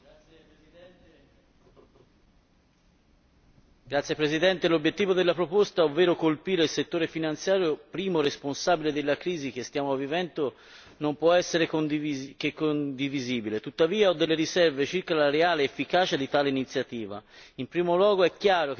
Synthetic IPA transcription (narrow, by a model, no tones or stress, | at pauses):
ɡɾat̪sːjepɾezid̪ɛnt̪elobjet̪ːiːvod̪elːapɾopost̪aovːeːɾokolpiːɾeilset̪ːoːɾefinant̪sjaːɾjopɾiːmoɾesponsaːbiled̪elːakɾiːzik̟est̪jaːmovivɛnt̪o | nompwɔɛsːeɾekond̪kekːond̪iviziːbilet̪ut̪ːaviːaɔd̪ːelːeɾisɛrvet͡ʃirkalaɾeaːleːfːikaːt͡ʃad̪it̪aːleinit̪sːjat̪iːva̰impɾiːmolwɔːɡoɛkːjaːɾok